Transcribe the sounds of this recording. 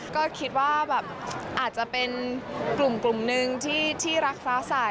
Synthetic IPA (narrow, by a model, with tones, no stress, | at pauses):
kɔː˥˩kʰi˦˥t̪̚waː˥˩bɛː˨˩p̚ʔaː˨˩t̪̚t͡ɕa˨˩pe˧nklu˨˩mklu˨˩mnɯ˧ŋt̪ʰiː˥˩t̪ʰiː˥˩ɾa˦˥k̚saː˦˥sa˨˩